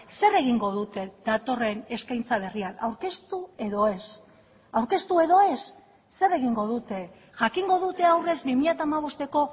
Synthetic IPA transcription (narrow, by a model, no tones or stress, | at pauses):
se̞re̞ɣ̞iŋɡo̞ðut̪e̞d̪at̪o̞re̞ne̞skajnt͡saβ̞e̞riana̰wɾke̞st̪ue̞ðo̞e̞s | awɾke̞st̪ue̞ðo̞e̞sː | e̞re̞ɣ̞iŋɡo̞ðut̪e̞ | ʝakiŋɡo̞ðut̪e̞awre̞zbimiʎat̪aːmaβ̞o̞st̪e̞ko̞